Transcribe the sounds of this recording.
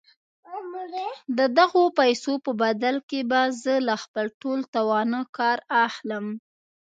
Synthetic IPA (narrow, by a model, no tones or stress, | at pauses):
d̪əd̪aɣopajsopəbad̪alkebazəlaxpəlʈolt̪awɑnəkɑɾaxləm